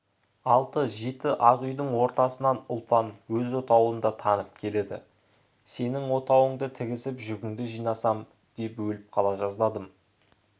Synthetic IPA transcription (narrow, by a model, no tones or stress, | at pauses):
ɑlˠt̪əʒe̞t̪ɪʔɑʁʏjd̪əɴwo̞ɾt̪ɑsənɑnʊlˠpɑnwɵzot̪ɑwənd̪ɑt̪ʰɑnəp̚kʲʰe̞le̞d̪ɪ̰ | se̞nɪŋwo̞t̪ɑwəɴd̪ət̪ʰɪɡʲɪsɪpʒʏɡʲɪŋd̪ɪʒijnɑsɑm | d̪̥e̞pwɵlɪp̚qʰɑlˠɑʒɑzlˠɑd̪əm